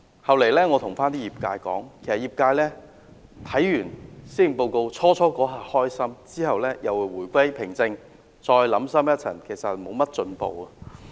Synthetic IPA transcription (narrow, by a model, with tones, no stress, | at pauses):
hɐ˨wle˨˩jlɛː˥ŋɔː˨˧t̪ʰʊ˨˩ŋfaː˥nt̪iː˥jiː˨˩p̚kaː˧jkɔ̰ː˨˥ŋkʰe˨˩jsɐ˨˩jiː˨p̚kaː˧jlɛː˥ | t̪ʰɐ˨˥jːyː˨˩nsiː˥m̩˨˩po˧wko˧wt͡sʰɔː˥t͡ʃʰɔː˥kɔː˨˥ɦaː˨hɔː˥jsɐ˥mt͡siː˥hɐ˨wlɛː˥jɐ˨whu˨˩jwuː˨˩jkʷɐ˥jpʰɪ˨˩ŋt͡sɪ˧ŋ | t͡ʃɔː˧jlɐ˨˥msɐ˥mjɐ˥t̚t͡sʰɐ̰˨˩ŋkʰe˨˩jsɐ˨t̚mo˨˧wmɐ˥t̚t͡ʃɵ˧npo̰˨˧wɐ˧